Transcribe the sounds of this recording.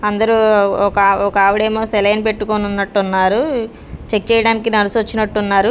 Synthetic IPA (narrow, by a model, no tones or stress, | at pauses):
ɐnd̪ɐɾukɐɔkɐaːʋiɽeːmoːsɛlɐjnpe̞ʈːukoːnunːɐʈːunːaːɾu | t͡ʃe̞k̚t͡ʃɛːjɐɽaːnikinɐɾisuʋɐt͡ʃːinɐʈːunːaːɾu